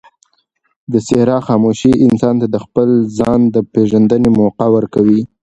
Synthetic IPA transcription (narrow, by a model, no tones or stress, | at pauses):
d̪əsɪɾɑxɑmoʃiɪnsɑnt̪ad̪əxpəlzɑnd̪əpeʒand̪ənemoqawəɾkawi